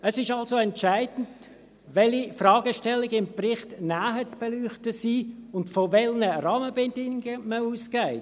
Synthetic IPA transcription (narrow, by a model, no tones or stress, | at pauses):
əsɪʃɑlsoɛntʃaɪdn̩t | ʋɛlifrɑːɡəʃtɛlːɪɡɪmprɪχtnaːɦət͡sb̥ɛlyːχtəsiːʊntfoʋɛlnəɾɑːməbɛdɪŋɡəməuːskaɪ